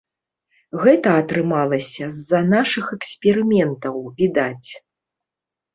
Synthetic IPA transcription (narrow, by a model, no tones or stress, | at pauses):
ɣɛt̪ɐːt̪ɾɨmalˠɐsʲɐzːɐnaʂɨxɛksʲpʲɛɾɨmʲɛnt̪ɐwvʲid̪at͡sʲ